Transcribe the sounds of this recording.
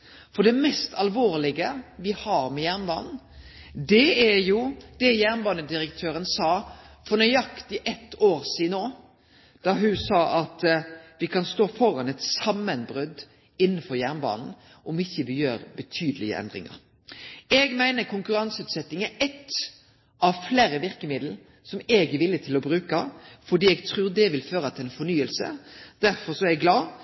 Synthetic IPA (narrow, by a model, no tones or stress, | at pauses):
fɔɖ̪ɛmɛst̪ʰɑlʋoːɾlɪɡəʋɪhɑːɾmɛjæːʁnbɑ̰ːnn̩d̪ɛæjʊd̪̥ɛjæːʁnbɑːnəd̪ɪɾəkt̪ʰøːɾənsɑːfɔnœʏɑkt̪ɪʔɛt̪ːoːɾsiːnoː | d̪̥ɑɦʉsɑːʔɑt̪ʋɪkʰɑnst̪oːfɔɾɑnɛt̪sɑmːənbɾʉd̪ | ɪnːənfɔɾjæːʁnbɑ̰ːnn̩ | ʔɔmɪçːəʋɪjøːɾbət̪ʰyːd̪əlɪ̰ə̰ʔɛ̰nd̪ɾɪ̰ŋɑ̰ɾ | ɛɡmæɪnəkʰʊŋkʉɾɑŋsʉːt̪sɛt̪ːɪŋæɾɛt̪ː | ɑʋfleːɾəʋɪɾkəmɪd̪l̩ | sɔmɛɡɛʋɪlːət̪ʰɪlɔbɾʉːkɑfɔɖ̪iːɛɡt̪ʰɾʉːɾd̪ɛʋɪlføːɾɑt̪ʰɪlɛnfɔnyːəlsə̰d̪̥æɾfɔɾsɔɛɛɡlɑː